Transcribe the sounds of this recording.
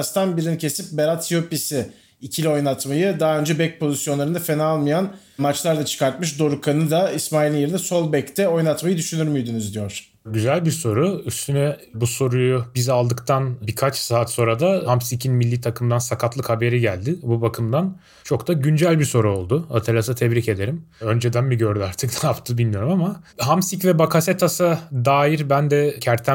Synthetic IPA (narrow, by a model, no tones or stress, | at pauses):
st̪ʰanbiɾinicʰe̞sip̚beɾat̪ʰːijopisɪ | icʰilʲio̞jnˠat̪majɯd̪aɦːø̞nd͡ʒɛbɛc̚pʰo̞zisjonˠaɾɯnd̪afenalˠmɯjan | mat͡ʃlˠaɾd̪ˠat͡ʃʰɯ̥kaɾt̪mɯʃ̬d̪o̞ɾukʰanɯd̪aismaːilʲinjeɾinɛso̞lˠbɛct̪ʰɛo̞jnˠat̪majɯd̪yʃynyɾmyjd̪ynyzd̪ijo̞ɾ̥ | ɟyzælʲbiso̞ɾuyst̪ʰynɛbuso̞ɾujubizalˠd̪ɯkt̪ʰanbikʰat͡ʃsaːt̪so̞ɾad̪ahamsicʰinmilʲːiːt̪ʰakʰɯmd̪ansakʰat̪lˠɯkhabe̞ɾiɟælʲd̪ɪbubakʰɯmd̪an | t͡ʃʰo̞ktd̪aɟynd͡ʒælʲbiso̞ɾuo̞lˠd̪ʊat̪ʰelʲas̬at̪ʰɛvɾice̞d̪e̞ɾimø̞nd͡ʒɛd̪ænbiɟø̞ɾd̪yaɾt̪ʰɯkt̪aapt̪ʰɯbilʲmijo̞ɾumamaɦamsicvɛbakʰaset̪ʰasad̪aːjiɾbænd̪ɛcʰæɾt̪ʰːæ